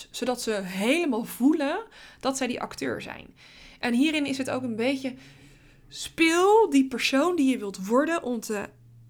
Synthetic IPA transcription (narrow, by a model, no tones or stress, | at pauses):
z̥odɑtsəɦejləmaːlˠvulənd̥ɑtsɛjdḭʔɑ̰ktø̰ːɹzɛ̰jn | ʔɛnɦiːɾɪnɪsɦəto̰wkənbejcə | spɪlˠdipəɹsowndijəʋɪlˠtʋɔɹdənʔɔmtə